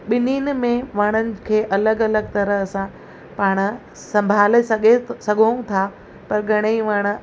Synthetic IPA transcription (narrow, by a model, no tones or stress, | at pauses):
ɓɪniːnmẽʋaːɽ̃ənɪ̆kʰeːʔɐləɡɐləɡ̚t̪ɐɾəɦɐsã | paːɽ̃ | sɐ̃mbʱaːlesɐɡʱesɐɡʱoũt̪ʰa | pɐɾɡʱɐɽ̃eiʋaːɽ̃̆